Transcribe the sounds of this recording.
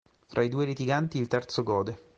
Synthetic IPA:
t̪ɾʔaid̪uːeɾit̪iɡant̪iːlt̪ɛrt̪soɡɔːd̪e

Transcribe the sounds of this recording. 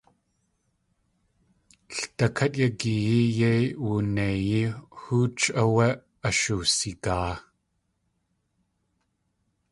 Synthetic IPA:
ɬtɐkʰɐtjɐkijijejwunejihuːt͡ʃʼɐweʔ | ɐʃusikaː

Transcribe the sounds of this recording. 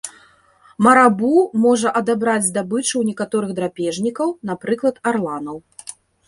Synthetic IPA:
mɐɾabumɔʐɐʔɐd̪abɾad͡zʲd̪abɨt͡ʂɨwnʲɛkat̪ɔɾɨɣd̪ɾapʲɛʐnʲikɐwn̪apɾɨklˠɐt̪arlˠanɐw

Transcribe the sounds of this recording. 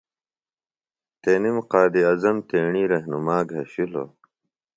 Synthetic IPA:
t̪enimqaːd̪iɐzɐmt̪eːɳiːɾɐɦnumaːɡʱɐɕilo̰

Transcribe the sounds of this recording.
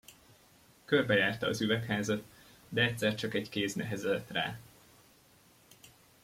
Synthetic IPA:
kø̞rbɛjaːrt̪ɒɒ̰zyvɛkhaːzɒt̪ | d̪ɛɛt̪ʲsɛrt͡ʃɒkɛɟkeːsnɛɦɛzɛlɛt̪ra̰ː

